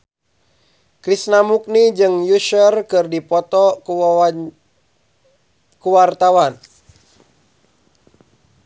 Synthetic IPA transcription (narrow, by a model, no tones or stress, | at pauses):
kɾisnamuk̚nid͡ʒɨŋjuʃərkɨrdipɔt̪ɔ | kuwart̪awan